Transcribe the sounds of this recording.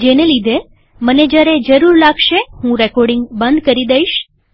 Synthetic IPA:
d͡ʒenelid̪ʱe | məned͡ʒaɾed͡ʒəɾuɾlaɡʃehũɾɛkɔɾɖiŋɡbənd̪kəɾid̪əiʃ

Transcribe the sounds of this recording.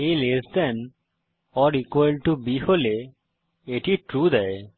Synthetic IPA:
ejlesd̪ɛn | ɔɾikjlʈubihole | eʈiʈɾud̪ɛe

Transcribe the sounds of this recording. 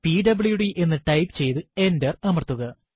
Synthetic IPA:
piɖɐbɭjuɽiʔe̞nːɨʈɐjpɨt͡ɕe̞jt̪ɨe̞ndɐrnɐmɐrt̪ːuɣɐ

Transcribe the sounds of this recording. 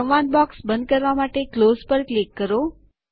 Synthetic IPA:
əʋanbɔksbə̃nd̪̚kəɾʋamaʈeklozpəɾklikːəɾo

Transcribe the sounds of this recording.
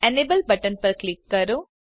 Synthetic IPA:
ɛnebəlbɐʈənpɐɾklɪkːɐɾo

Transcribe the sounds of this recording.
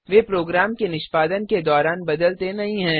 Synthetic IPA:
ʋeːpɾoːɡɾaːmkenɪʃpaːd̪ənked̪ɔːɾaːnbɐd̪əlt̪enɐɦĩɦɛ̃ː

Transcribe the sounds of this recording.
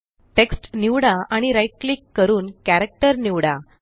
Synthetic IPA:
ʈeksʈniʋɽaaɽ̃iɾajʈ̚klikːəɾuːnkæɾək̚ʈəɾniʋɽa

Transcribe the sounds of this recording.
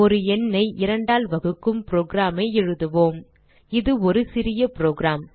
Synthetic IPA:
ɔɾɯɛnːɐɪʔɪɾɐɳɖaːlʋɐɣɯkːɯmpɾoːɡɾaːmeɪɛɻɯðɯʋoːm | ɪðɯɔɾɯsɪɾɪjɐpɪɾoːɡɾaːm

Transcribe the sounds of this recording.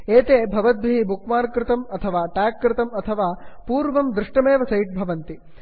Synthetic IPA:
eːt̪eːbʱɐʋɐt̪̚bʱiibukmaːɾkɾɪt̪ɐmɐt̪ʰɐʋaːʈaːkːɾɪt̪ɐmɐt̪ʰɐʋaːpuːɾʋɐmd̪ɾɪʂʈɐmeːʋɐsɐjʈ̚bʱɐʋɐnt̪i

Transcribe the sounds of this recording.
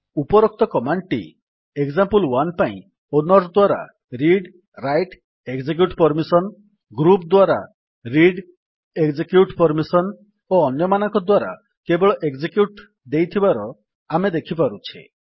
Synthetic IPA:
upɔɾɔk̚t̪ɔkɔmaɳʈḭ | ekzampulwanpaḭ̃ | onɔɾd̪waɾa̰ | ɾiɖ | ɾajʈ | eɡd͡ʒek̬juʈpɔɾmisɔn | ɡɾupd̪waɾa̰ | ɾiɖ | eɡd͡ʒekjuʈpɔɾmisɔn | oɔnjɔmanɔŋkɔd̪waɾa̰ | kebɔɭɔʔeɡd͡ʒekjuʈ | d̪ejt̪ʰibaɾɔ | amed̪ekʰip̬aɾut͡ʃʰḭ

